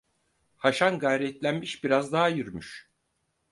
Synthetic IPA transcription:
haʃanɡajɾɛt̪lʲænmiʃbiɾazd̪aɦajyɾmyʃ

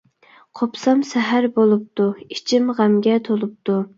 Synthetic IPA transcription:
qʰopsɑmsɛɦæɾbolˠup̚t̪uit͡ʃʰimʁæmɡʲɛt̪ʰolˠup̚t̪u

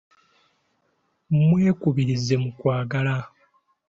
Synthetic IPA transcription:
mwe̞ːkuβiɾize̞mukwaːɡala

